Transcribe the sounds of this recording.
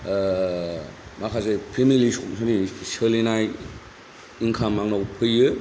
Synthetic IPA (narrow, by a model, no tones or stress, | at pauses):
makʰazepʰemilisomsʰanisɯlenaj | iŋkʰamːaŋnawpʰɯjːɯ